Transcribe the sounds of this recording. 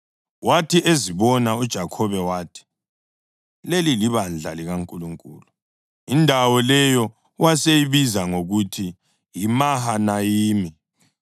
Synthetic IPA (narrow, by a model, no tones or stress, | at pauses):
watʰiʔeziβɔnaud̥ʒ̥ʱakʰɔβɛwaːtʰi̥ | leliliβand͡ɮʱaliɣaŋkʼuluŋkʼuːlu | indʱawɔlɛjɔ | wasejiβizaŋoɣutʰi | jimahanajiːmi